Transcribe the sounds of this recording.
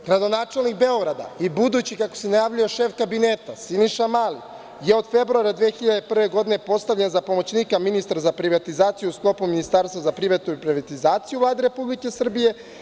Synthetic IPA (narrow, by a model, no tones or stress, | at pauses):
ɡ̥ɾad̪o̞naːt͡ʃe̞lˠnikbeo̞ɡɾad̪a̰ibud̪uːt͡ɕikako̞̥senajaːʋʎujoʃe̞fkabine̞ːt̪asiniʃamalḭ | jeo̞d̪fe̞bɾuaɾad̪ʋeːxiʎad̪e̞pr̩ʋe̞ɡo̞d̪ine̞po̞st̪aʋʎenzapo̞mo̞t͡ɕniːkaminist̪aɾazapɾiʋat̪izaːt̪sijuusklˠo̞puminist̪aɾst̪ʋazapɾiʋet̪uipɾiʋat̪izaːt̪sijuvlaːd̪e̞ɾe̞publike̞sr̩bije̞